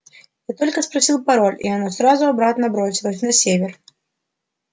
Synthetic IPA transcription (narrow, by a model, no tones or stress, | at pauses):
jat̪o̞lʲkəspɾɐsʲilˠpɐɾo̞lʲḭɐnasɾazʊɐbɾat̪nəbɾo̞sʲɪlˠəsʲnɐsʲevʲɪr